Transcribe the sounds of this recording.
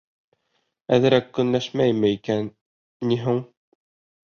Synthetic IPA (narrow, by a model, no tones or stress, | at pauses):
æðɘ̆ɾækːɵ̆nlæʃmæjmɘikænː | iɦuɴ